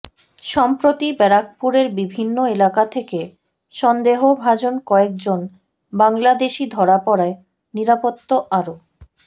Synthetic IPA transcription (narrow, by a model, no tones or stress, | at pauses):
ʃɔmpɾot̪ibɛɾak̚puɾeɾbibʱinːoelakat̪ʰeke | ʃɔnd̪eɦobʱad͡ʑonkɔek̚d͡ʑon | baŋlad̪eʃid̪ʱɔɾapɔɾae | niɾapot̪ːoʔaɾo